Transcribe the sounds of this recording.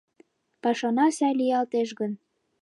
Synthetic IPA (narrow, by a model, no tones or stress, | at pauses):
pɑʃɑnɑsæjlijɑlt̪eʃɣən